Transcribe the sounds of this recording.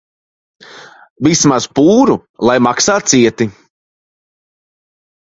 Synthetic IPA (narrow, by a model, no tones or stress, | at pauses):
vismaz̥puːɾu | lˠajmaksaːt̪siɛt̪i